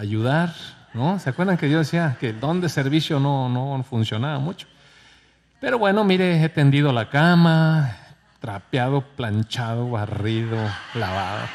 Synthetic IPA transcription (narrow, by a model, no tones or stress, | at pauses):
ajuðaɾnoseakweɾðaŋkeðjozðesiakeld̪ond̪eseɾβisjononofunsjonaβamut͡ʃo̥ | peɾoβwenomiɾeet̪end̪iðolakama | t̪ɾapjaðoplant͡ʃaðoβariðolaβa̰ðo̰